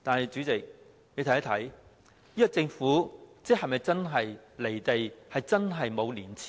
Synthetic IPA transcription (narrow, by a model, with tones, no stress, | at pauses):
t̪aː˨nhɐ˨jt͡ʃyː˨˥t͡sɪ˨k̚ | ne˨˧t̪ʰːa˥t̪ʰɐ˨˥j | jiː˥kɔ˧˥t͡sɪ˧ŋfuː˨˥t͡sɛː˥hɐ˨jmɐ˨˩jt͡sɐ˥nɦɐ˨jle˨˩jt̪e˨jhɐ˨jt͡sɐ˥nɦɐ˨jmo˨˧wliː˨˩nt͡sʰi̥ː˨